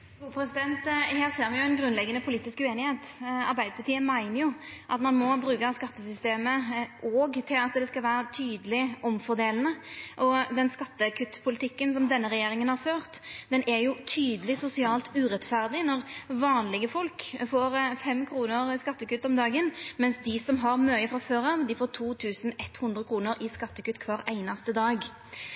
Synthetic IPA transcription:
uːpʰɾɛsɪd̪ɛnt̪hæːʁseːɾʋɪjʊɛnɡɾʉnlɛɡːənəpʰʊliːt̪ɪskʉeːnɪheːt̪ɑɾbæɪd̪əpɑʈt̪iːəmæɪnəjʊʔɑt̪mɑnmɔbɾʉːkɑskɑt̪ːəsʏst̪eːməʔɔːɡt̪ʰɪlɑt̪d̪ɛskɑlʋæːɾət̪ʰyːd̪əlɪɔmfɔɾd̪eːlən̩əʔɔd̪ɛnskɑt̪ːəkʰʉt̪ːpʰʊlɪt̪ʰɪkːənsɔmd̪ɛnːəʁɛjeːɾɪŋənhɑʁføːʁt̪d̪ɛnʔɛɾjʊt̪ʰyːd̪əlɪsʊsɪɑːlt̪ʉːɾɛt̪fæʁd̪ɪnɔʁʋɑːnlɪɡəfɔlkfoːɾfɛmːkʰɾuːnəɾɪskɑt̪ːəkʉt̪ːɔmd̪ɑːɡənmɛnsd̪ɪsɔmɦɑʁmøːəfʁɑføːɾɑʋd̪ɪfoːt̪ʰuːt̪ʰʉːsn̩ɛt̪ːhʉnd̪ʁəkʰɾuːnəɾɪskɑt̪ːəkʉt̪ːkʰʋɑːɾæɪnɑst̪əd̪ɑːɡ

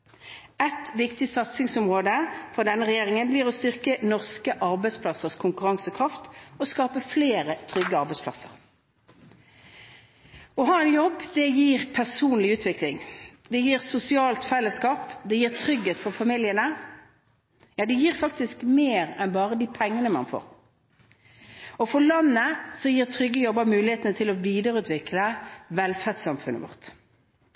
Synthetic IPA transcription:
ɛt̪ʋɪkt̪ɪsɑt̪sɪŋsʊmʁoːd̪əfɔʁd̪ɛnːəʁɛjeːʁɪŋənbliːʁɔst̪ʏʁkənɔʁskəʔɑʁbæɪspʰlɑsəʁskʰʊŋkʉʁɑŋsəkʰʁɑft̪ɔskɑːpəfleːʁət̪ʰʁʏɡːəɑʁbɛɪspʰlɑ̰səʁ | ɔɦɑːɛnjɔbːd̪ɛjiːʁpʰæʁsuːnlɪʉːt̪ʰʋɪklɪŋd̪ɛjiːʁsʊsɪɑːlt̪fɛlːəskɑːpd̪ɛjiːʁt̪ʰʁʏɡheːt̪fɔʁfɑmɪljənə | jɑːd̪ɛjiːʁfɑk̚t̪ɪskmeːʁɛnbɑːʁəd̪iːpʰɛŋːənəmɑ̰nfo̰ːɾ | ɔfɔlɑnːəsɔjiːʁt̪ʰɾʏɡːəjɔbːəɾmʉːlɪheːt̪ənət̪ʰɪlɔʋiːd̪əɾəʉːt̪ʰʋɪkləʋɛlfæʁd̪sɑmfʉnːə̰ʋʊ̰ʁt̪

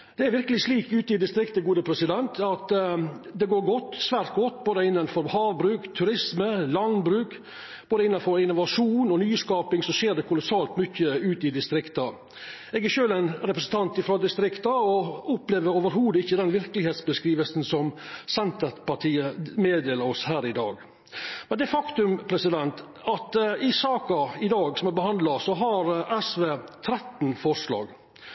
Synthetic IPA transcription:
d̪̥ɛæɾʋɪɾkəlɪʂliːkʉːt̪əɪd̪ɪst̪ɾɪkt̪əɡuːd̪əpʰɾɛsɪd̪ɛnt̪ʰɑt̪ | d̪ɛɡoːɾɡɔt̪ːsʋæːɾt̪̚ɡɔt̪ːboːd̪əɪnːənfɔɾhɑːʋbɾʉːkt̪ʰʉɾɪsməlɑnbɾʉːk | b̥oːd̪əɪnːɑnfɔɾɪnːʊʋɑʂuːnɔnyːskɑːpɪŋsɔseːɖɛkʰʊlʊsɑːlt̪mʏçːəʉːt̪ɪd̪ɪst̪ɾɪkt̪ɑ | ɛɡæɾʃøːlæɪnɾɛpɾəsən̩t̪ʰɑnt̪ɪfɾɑd̪ɪst̪ɾɪkt̪ɑɔɔpleːʋəɾoːʋəɾɦuːd̪ɪçːəd̪ɛnʋɪɾkəlɪheːt̪sbəskɾiːʋəlsn̩sɔmsɛnt̪ət̪pɑʈʰiːəmeːd̪eːləɾɔshæːɾɪd̪ɑːɡ | mɛnd̪ɛfɑkt̪ʉmpʰɾɛsɪd̪ɛnt̪ | ɑt̪ɪsɑːkɑɪd̪ɑːɡsɔmæbəhɑnd̪lɑsɔɦɑɾɛsʋeːt̪ʰɾɛt̪nfɔɾʂlɑ̰ːɡ

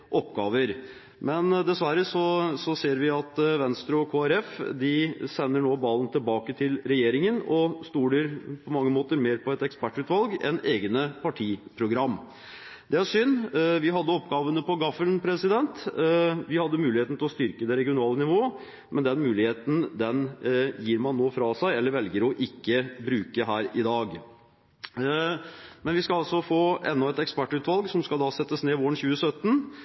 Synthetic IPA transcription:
ʔɔpːɡɑːʋəɾ | mɛnd̪ɛsʋæɾəsɔsɔseːɾʋɪɑt̪ʋɛnst̪ɾʉɔkʰoːæɾɛfd̪ɪsɛnːəɳoːbɑlən̩t̪ʰɪlbɑːkət̪ʰɪlɾɛjeːɾɪŋənɔst̪uːɾəɾpʰɔmɑŋːəmoːt̪əɾmeːɾpʰɔɛt̪ɛkspæʈːʉːt̪ʋɑlɡɛ̰neːɡənəpʰɑʈʰiːpʰɾʊɡɾɑmː | d̪ɛæɾʂʏnːʋɪɦɑd̪ːəɔpːɡɑːʋənəpɔɡɑfəlnpʰɾɛsɪd̪ɛnt̪ʋɪhɑd̪ːəmʉːlɪheːt̪n̩t̪ʰɪlɔst̪ʏɾkəd̪ɛɾɛɡɪʊnɑːlənɪʋoː | mɛnd̪ɛnmʉːlɪheːt̪n̩d̪ɛnjiːɾmɑnːoːfɾɑsæɪɛlːəɾʋɛlɡəɾɔʔɪkːəbɾʉːkəɦæːɾɪd̪ɑːɡ | mɛnʋɪskɑɑlsɔfoːʔɛnːɔɛt̪ɛkspæʈːʉːt̪ʋɑlɡsɔmskɑld̪ɑsɛt̪ːəsneːʋoːɾənçʉːəsœt̪ːn

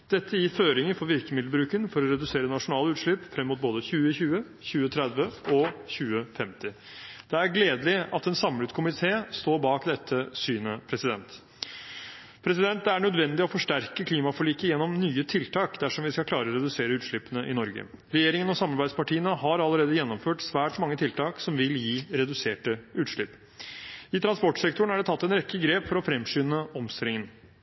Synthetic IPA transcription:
d̪̥ɛt̪ʰːəjɪføːɾɪŋəfɔɾʋɪɾkəmɪd̪lbɾʉːkənfɔɾɔɾɛd̪ʉseːɾənɑʂʊnɑːləʉːt̪ʂɭɪpːfɾɛmːʊt̪̚boːd̪əçʉːəçʉːə | çʉːət̪ʰɾɛd̪ʋəɔçʉːəfɛmt̪ɪ | d̪̥ɛæɾɡleːd̪lɪɑt̪ɛːnsɑmlʉt̪kʰʊmɪt̪ʰeːst̪oːɾbɑːkd̪ɛt̪ʰːəsyːnəpʰɾɛsɪd̪ɛnt̪ | pʰɾɛsɪd̪ɛnt̪d̪ɛæɳœd̪ʋɛnd̪ɪɔfɔʂʈæɾkəkʰliːmɑfɔɭiːkəjɛnːɔmnyːət̪ʰɪlt̪ʰɑːkd̪æʂɔmʋɪskɑkʰlɑːɾəɔɾɛd̪ʉseːɾəʉːt̪ʂɭʏpːənəʔɪnɔɾɡə̰ | ɾɛjeːɾɪŋənɔsɑmɑɾbæɪspɑʈʰiːənəɦɑɾɑlːəɾeːd̪əjɛnːɔmføːʈsʋæːʈmɑŋːət̪ʰɪlt̪ʰɑːksɔmʋɪljiːɾɛd̪ʉseːʈəʉːt̪ʂɭʏpː | ɪt̪ʰɾɑnspɔʈsɛkt̪ʊɳ̩æɖɛt̪ʰɑt̪ːɛnɾɛkːəɡɾeːpfɔɾɔfɾɛmʂyːnəɔmst̪ɪlɪŋən

